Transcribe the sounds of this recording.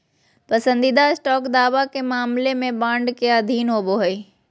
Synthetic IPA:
pɐsə̃nd̪id̪aɪsʈɔːkd̪aːʋakemaːmlemẽbãːɳɖkeəd̪ʱiːnɦoːboɦɐiː

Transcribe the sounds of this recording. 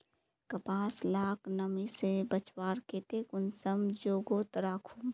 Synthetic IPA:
kɐpaːslaːknɐmisebɐt͡ʃwaːɾkeːt̪ekʊnsəmd͡ʒoːɡoːt̪ɾaːkʰum

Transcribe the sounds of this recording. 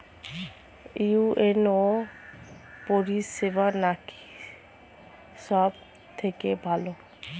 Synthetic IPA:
iuʔeno | poɾiʃebaɾnaki̥ | ʃɔb̚ | t̪ʰekebʱalo

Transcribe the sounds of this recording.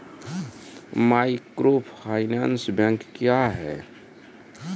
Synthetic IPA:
maːikɾoːpʰaːɪnansbɛ̃ŋkːjaɦɛː

